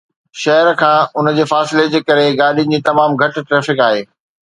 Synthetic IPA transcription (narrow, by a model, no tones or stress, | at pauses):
ʃɐɦəɾkʰãːʊnə̆d͡ʑeːfaːsɪled͡ʑeːkɐɾeɡaːɗin̆d͡ʑiːt̪ɐmaːmɡʱɐʈ̆ʈɾɛːfɪkaːɦeː